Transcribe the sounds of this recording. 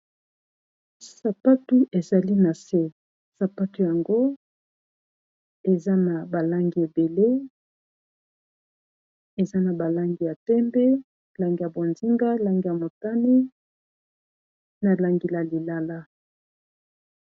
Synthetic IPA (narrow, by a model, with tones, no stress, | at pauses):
sa˨pa˦tu˦ʔe˨za˨li˦na˨se˦ | sa˨pa˦tu˨˦ja˨ŋɡo˦ | e˨za˦na˨ba˨la˦ŋɡi˨e˨be˨le˦ | e˨za˦na˨ba˨la˦ŋɡi˨ja˨tɛ˦mbɛ˦ | la˦ŋɡi˦˨a˨bo˨nzi˦ŋɡa˦la˦ŋɡi˦ja˨mo˨ta˦ni˦ | na˨la˨ŋɡi˨la˨li˨la˦la˦